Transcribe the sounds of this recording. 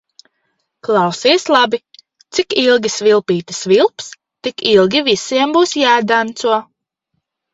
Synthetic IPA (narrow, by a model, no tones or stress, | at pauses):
klˠɑwsislˠabi | t̪sikilˠɡʲisvilˠpiːt̪isvilˠps | t̪ikilˠɡʲivisiɛmbuːsjaːd̪ant̪suɔ